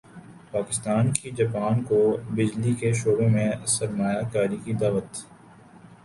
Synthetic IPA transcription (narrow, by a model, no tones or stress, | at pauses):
paːkɪst̪aːnkid͡ʒaːpaːnkobɪd͡ʒlikeʃoːbõmẽsɐɾmaːjakaːɾikid̪aːʋət̪